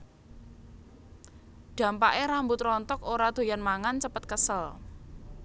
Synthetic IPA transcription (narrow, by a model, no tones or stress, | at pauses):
ɖ̪̥ä̤mpaʔeɾambut̪rɔnt̪ɔkoɾad̪̥o̤janmaŋant͡ʃəpət̪̚kəsəl